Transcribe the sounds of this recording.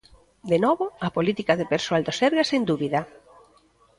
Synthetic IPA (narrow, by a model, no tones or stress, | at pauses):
d̪enɔβoɐpolit̪ikaðepeɾsoald̪osɛɾɣasend̪uβiðɐ